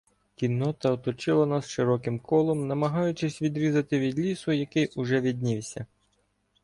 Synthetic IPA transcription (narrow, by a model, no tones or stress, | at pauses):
kʲinːɔt̪ɐɔt̪ɔt͡ʃɪlˠɐnasʃɪɾɔkɪmkɔlˠɔmnɐmɐɦɑjʊt͡ʃɪsʲʋʲid̪ɾʲizɐt̪ɪʋʲid̪lʲisʊjɐkɪjʊʒɛʋʲid̪ʲnʲiwsʲɐ